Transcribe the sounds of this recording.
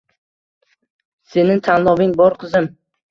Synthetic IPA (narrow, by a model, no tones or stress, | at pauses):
se̞nɪt̪ʰanlˠɒvɪŋbɒɾqʰɨzɪm